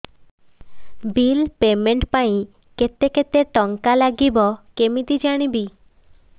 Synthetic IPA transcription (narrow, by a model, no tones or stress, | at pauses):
bilpemeɳʈpaĩ | ket̪eket̪eʈɔŋkalaɡibɔkemit̪id͡ʒaɽ̃ibi